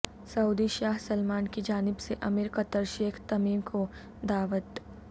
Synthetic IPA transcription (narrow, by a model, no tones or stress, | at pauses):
sɐuːd̪iʃaːɦsɐlmaːnkid͡ʒaːnɪbseʔɐmiɾkɐt̪əɾʃeːkʰt̪ɐmiːʋko | d̪aːʋət̪